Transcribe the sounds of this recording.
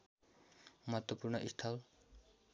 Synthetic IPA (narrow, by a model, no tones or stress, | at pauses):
mʌɦʌt̪wʌpurnʌʔist̪ʰal